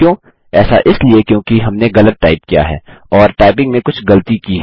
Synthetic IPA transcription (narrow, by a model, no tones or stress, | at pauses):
jõː | ɛːsa̰ʔɪsliekjõːkiɦɐmneɣɐlət̪̚ːaːɪp̚kija̰ɦɛ̰ːɔːɾʈaːɪpɪ̃ŋɡmẽkʊt͡ʃʰɡɐlət̪ikiɦɛ